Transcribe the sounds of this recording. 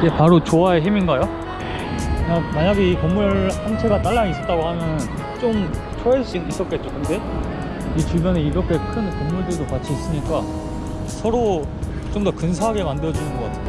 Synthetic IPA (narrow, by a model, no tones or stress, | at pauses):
d͡ʑepaɾot͡ɕoaeɦiminɡajo | namaɲaɡiːkomːuɭhant͡ɕʰeɡat͈aɭːaɡis͈ʌt͈aɡohanɯn | t͡ɕ͈om | t͡ɕʰoeɭs͈iis͈ʌt̚k͈et̚t͡ɕ͈okɯnde̞ | it͡ɕubjʌneiɾʌkʰe̞kʰɯnkomːuɭdɯɭdokat͡ɕʰiːs͈ɯɲik͈a | sʰʌɾo | t͡ɕ͈omdokɯns̬ʰaɦaɡe̞mandɯɾʌd͡ʑunɯnɡʌk͈a̰tʰe